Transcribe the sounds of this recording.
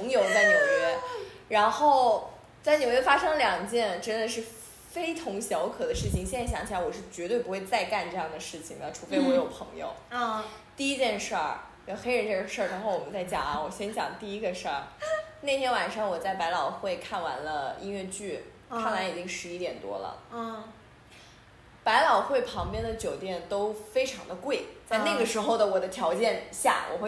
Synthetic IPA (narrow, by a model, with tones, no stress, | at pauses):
ŋjo˨˧ʊt͡sa˥˩ɪnjo˨˩ʊɥɛ˥˧ɻa˧˥nxo˥˩ʊ | t͡sa˥˩ɪnjo˨˩ʊɥɛ˥˩fa˥ʂɤ˥ŋljɑ˨˩ŋt͡ɕjɛ˥˩nʈ͡ʂə˥nd̪ə˨ʂɻ̩˥˩ | fe˥ɪt̪ʰʊ˧˥ŋɕjɑ˧˥ʊkʰɤ˨˩d̪ə˦ʂɻ̩˥˩t͡ɕʰi˨˩ŋɕjɛ˥˩n˥˩ɕjɑ˧˥ŋt͡ɕʰla˧˥ɪwɔ˨˩ʂɻ̩˥˩t͡ɕɥɛ˧˥t̪we˥˩ɪpu˧˥xwe˥˧ɪt͡sa˥˧ɪka˥˧nʈ͡ʂɤ˥˧jɑ˥˩ŋd̪ə˩ʂɻ̩˥˩t͡ɕʰi˨˩ŋd̪ə˩ʈ͡ʂʰu˨˧˩fe˥˩ɪwɔ˧˥jo˨˩ʊpʰɤ˧˥ŋjo̰˨˩ʊ˧ | t̪i˥˩i˥t͡ɕjɛ˥˧nʂə˞˥˩˧ | xe˥ɪɻə˧˥nʈ͡ʂʂə˞˥˩ɻa˧˥nxo˥˩ʊwɔ˨˩mə˦nt͡sa˥˩ɪt͡ɕjɑ̰˨˩ŋɐ˦wɔ˨˩ɕjɛ˥nt͡ɕjɑ̰˨˩ŋt̪i˥˩i˧˥ɡə˧ʂə˥˩ne˥˩ɪt̪ʰjɛ˥nwa˨˩nʂɑ˥˩ŋwɔ˨˩t͡sa˥˩ɪpa˧˥ɪlɑ˨˩ʊxwe˥˧ɪkʰa˥˩nwa̰˧˥nlə˧ḭ˥nɥɛ˥˧t͡ɕy˥˩ | a˥ŋla˧˥i˨˩t͡ɕi˥ŋʂɻ̩˧˥i˥t̪jɛ˨˩nt̪wɔ̰˥lə̰˨˧ | pa˧˥ɪlɑ˨˩ʊxwe˥˩ɪpʰɑ˧˥ŋpjɛ˥nd̪ə˨t͡ɕjo˨˩ʊt̪jɛ˥˩nt̪o˥ʊfe˥ɪʈ͡ʂʰɑ˧˥ŋd̪ə˧kwe˥˩ɪt͡sa˥˧na˥˩ɡə˩ʂɻ̩˧˥xo˥˩ʊd̪ə˩wɔ˨˩d̪ə˦t̪ʰjɑ˧˥ʊt͡ɕjɛ˥˧nɕja̰˥˩wʔɔ̰˨˩xwe˥˩